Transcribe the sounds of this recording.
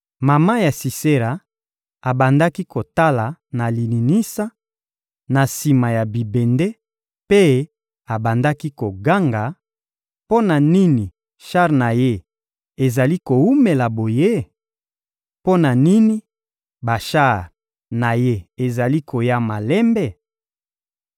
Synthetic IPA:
ma˨ma˦ja˨si˨se˦ɾa˨ | a˨ba˨nda˦ki˦ko˨ta˦la˨na˨li˨ni˨ni˦sa˦ | na˨si˨ma˨ja˨bi˨be˨nde˦ | pe˦ | a˨ba˨nda˦ki˦ko˨ɡa˦ŋɡa˨ | po˦na˨ni˦ni˨ | ʃa˦ʁna˨je˦ | e˨za˨li˦ko˨wu˦me˨la˨bo˨je˦ | po˦na˨ni˦ni˦ | ba˨ʃa˦˨ʁ | na˨je˦e˨za˨li˦kʰo˨ja˦ma˨lɛ˦mbɛ˦

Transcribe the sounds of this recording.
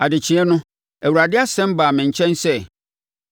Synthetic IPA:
a˨dɪ˨t͡ɕʰɪ̃˨˦ɛ˦nʊ̃˦ | æ˨wu˨ɾa˨dɪ˦a˦sɛ̃˦m˦baː˨mɪ̃˨ɲ̩˨t͡ɕʰɛ̃˦nsɛ˦˨

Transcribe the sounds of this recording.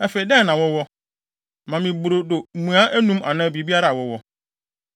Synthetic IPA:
ɛ˦fe˨i˨dɛ˦˨nã˨wɔ˦wɔ˦ | mã˨mĩ˨bɾo˨do˨mũ˨a˦ʔæ˦nũ˦ma̰˨nã˦˨bi˨bi˦a˦ɾa˨wɔ˦wɔ˦

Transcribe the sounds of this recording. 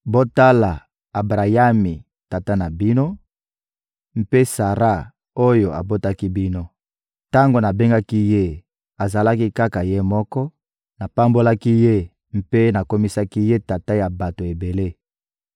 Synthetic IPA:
bo˦ta˦la˨ | a˨bʁa˨ja˦mi˨ | ta˨ta˦na˨bi˦no˦ | m̩˦pe˦sa˨ʁa˦ | o˦jo˨a̰˨bo˦ta˦ki˦bi˦no˦ | ta˦ŋɡo˨na˨be˦ŋɡa˦ki˦je˦ | a˨za˨la˦ki˦ka˦ka˨je˦mɔ˦kɔ˦ | na˨pa˦mbo˦la˦ki˦je˦ | m̩˦pe˦na˨ko˦mi˦sa˦ki˦je˦ta˨ta˦ja˨ba˨to˨e˨be˨le˦

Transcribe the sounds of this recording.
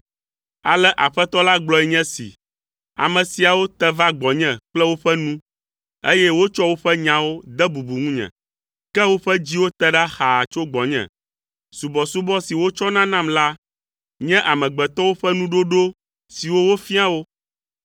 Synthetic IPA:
a̰˨lɛ˦ʔa˨ɸɛ˦t̪ɔ˦la˦ɡ͡blɔ˨ɛ˨ɲɛ̃˦sḭ˨ | a̰˨mɛ̃˨si˨a˨wo˦t̪ɛ˦va˦ɡ͡bɔ˨ɲɛ̃˨k͡plɛ˦wo˦ɸɛ˦nũ˦ | ḛ˦jɛ˦wo˦t͡ʃɔ˦wo˦ɸɛ˦ɲã˨wo˦d̪ɛ˦bu˨bu˨ŋũ˦ɲɛ̰̃˨ | kɛ˦wo˦ɸɛ˦d͡ʑi˦wo˦t̪ɛ˦ɖa˦xa˨t͡ʃo˦ɡ͡bɔ˨ɲɛ̰̃˨ | su˨bɔ˨su˦bɔ˦si˨wo˦t͡ʃɔ˦nã˦nã˦˨mla˦ | ɲɛ̃˦ʔa˨mɛ̃˨ɡ͡bɛ˨t̪ɔ˦wo˦ɸɛ˦nũ˦ɖo˦ɖo˦ | si˨wo˦wo˦fi˦a˦wo˦

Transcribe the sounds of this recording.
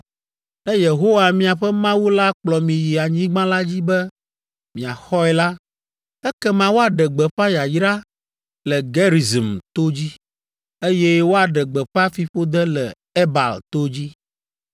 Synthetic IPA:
ɛ˦je˨ɦo˦wa˨mĩ˦a˨ɸɛ˦mã˦wu˦la˦k͡plɔ˨mĩ˨ji˨a˨ɲĩ˦ɡ͡bã˦la˦d͡ʑi˦bɛ˦ | mĩ˨a˨xɔ˦ɛ˨la˦ | ɛ˦kɛ˦mã˨wo˦a˨ɖɛ˨ɡ͡bɛ˨ɸa˦ja˨jɾa˦ | lɛ˨ɡe˦ɾi˨zi˨mt̪o˦d͡ʑi˦ | e˦jɛ˦wo˦a˨ɖɛ˨ɡ͡bɛ˨ɸa˦fi˨ɸo˦d̪ɛ˦lɛ˨ | e˦ba̰˨lt̪o˦d͡ʑi˦

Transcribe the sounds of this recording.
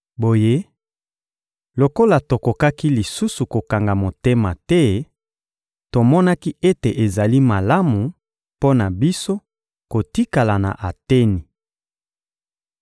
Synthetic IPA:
bo˨je˦ | lo˨ko˦la˨to˨ko˨ka˦ki˦li˨su˦su˨ko˨ka˨ŋɡa˨mo˨te˦ma˨tɛ˦ | to˨mɔ˦na˦ki˦e˦te˨ʔe˨za˨li˦ma˨la˦mu˨ | po˦na˨bi˦so˦ | ko˨ti˦ka˨la˨na̰˨ʔa˨te˦ni˨

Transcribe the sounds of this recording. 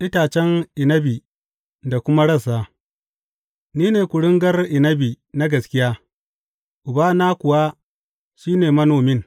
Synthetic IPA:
ʔɪ˦taː˨t͡ʃɛ˦ŋʔɪ˨nɐ˦bi˨ | da˨kʷʊ˦ma˦ɽɐ˦˨saː˦˨ | niː˦neː˨kʷʊ˨ɽɪ˦ŋɡɐ˦rʔɪ˨nɐ˦bi˨ | na˦ɡɐ˨skʲɪ˦jaː˦ | ʔʊ˨baː˦naː˦kʷʊ˨wa˦ | ʃiː˦neː˨mɐ˦noː˨mɪ˦ŋ

